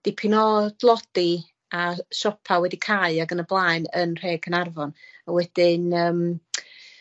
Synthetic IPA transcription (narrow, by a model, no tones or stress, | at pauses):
d̥ɪpʰɪnɔd̥lˠɔd̥i | aʃɔpʰawɛdikʰaɨaɡənəblˠaːɨnənr̥eːɡʰənarvɔnawɛd̥ɪnəːm